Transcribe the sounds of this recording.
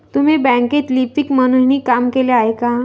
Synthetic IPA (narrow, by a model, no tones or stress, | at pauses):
t̪um̤ibɛ̃ket̪lipikmənuniːkamkeleaɦeka